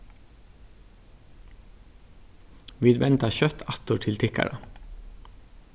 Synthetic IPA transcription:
ʋiːd̪ʋɛnt̪ɑçœt̪ʰɑt̪uːʈʰɪlt̪ʰɪkæ̰ɽɑ

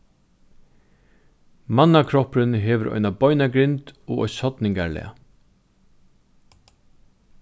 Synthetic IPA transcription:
manːakʰɾɔpɾɪnɦeːʋəɾʔɔ̰ʏnabɔʏnaɡɾɪnt̪ɔ̰ːʔɔ̰sɔt̪nɪŋkaɾlɛ̰a̰

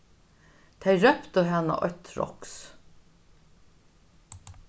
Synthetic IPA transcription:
t̪ʰæɪɾœpt̪əɦɛna̰ʔœt̪ɹɔ̰ks

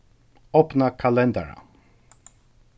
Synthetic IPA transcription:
ɔpnakʰalɛnd̪a̰ɾa̰

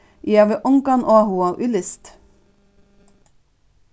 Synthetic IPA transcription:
ʔiːɑʋeʔʊŋkɑnʔoːɑhuːɑʔʉlɪst̪

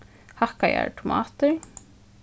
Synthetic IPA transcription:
hahkaja̰ɾt̪ʰʊmaːt̪ʏɾ

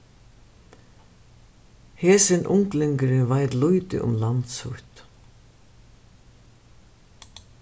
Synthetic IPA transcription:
hɛːsɪnʔʊŋklɪŋkɪɾɪvajt̪lujt̪ɪ̰ʔʊ̰mlant̪shʊht̪

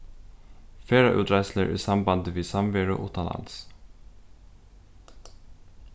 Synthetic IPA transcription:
feːɾəʔʉ̰ːt̪ɾæɪsləɾʔḭːsɑmbɑnd̪əʋiːsɑmʋeːɹʊ̰ʔṵːt̪ʰɑnɑ̰ns

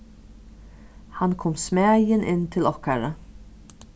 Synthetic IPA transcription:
hankʰɔmsmæːjɪnʔɪnːt̪ʰɪlɔhkaɾa

